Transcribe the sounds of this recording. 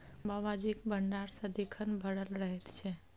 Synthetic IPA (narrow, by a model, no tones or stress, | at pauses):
baʋad͡ʒikbəɳɖaɽsəd̪ikʰənbʱəɽəlɾəɦet̪t͡ʃʰe